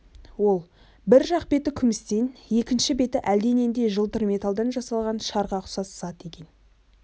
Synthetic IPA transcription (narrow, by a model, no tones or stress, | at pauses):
wo̞lˠ | bɪɾʒɑqbe̞t̪ɪkʲʰʏmɪst̪enje̞kʲɪnʃɪbe̞t̪ɪʔæld̪e̞ne̞nd̪e̞ʒəlˠt̪əɾme̞t̪ɑlˠd̪ɑnʒɑsɑlˠʁɑnʃɑɾʁɑqʰʊ̥sɑszɑt̪e̞kʲe̞n